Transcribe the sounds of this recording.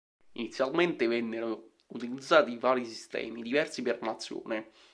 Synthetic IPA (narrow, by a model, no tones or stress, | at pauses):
init̪sjalment̪evɛnːeɾo | ut̪ilid̪zːaːt̪ivaːɾisist̪ɛ̰ːmid̪ivɛrsipernat̪sːjo̰ːne